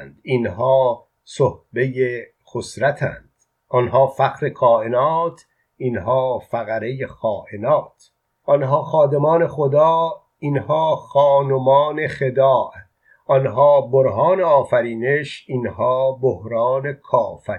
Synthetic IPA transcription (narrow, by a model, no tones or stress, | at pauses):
nd̪inhɒː | sohbe̞je | xosɾæt̪ʰæ̰ːnd̪̥ | ʔɔnhɒːfæqɾe̞kʰɒːʔe̞nɒːt̪ʰ | ʔinɦɒːfæɣæɾe̞jexɒːʔenɒːt̪ʰ | ʔɒnɦɒːxɒːd̪emɒːne̞xod̪ɒː | inhɒːxɒːnomɒːne̞xe̞d̪ɒːʔ | ɔnɦɒːboɾɦɒːneɒːfæɾiːne̞ʃinhɒːbohɾɒːne̞kʰɒːfæ